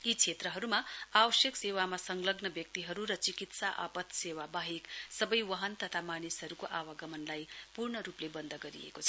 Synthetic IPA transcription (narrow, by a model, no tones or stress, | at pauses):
it͡sʰet̪rʌɦʌɾumaawʌsjʌksewamasʌŋɡlʌɡnʌbjʌk̚t̪iɦʌɾuɾʌt͡sikit̪saʔa̰pʌt̪sewabaɦeksʌbʌjwʌɦʌnt̪ʌt̪ʰamanisɦʌɾukoʔawaɡʌmʌnlajpurɳʌɾuplebʌnd̪ʱʌɡʌɾḭḛkot͡sʰʌ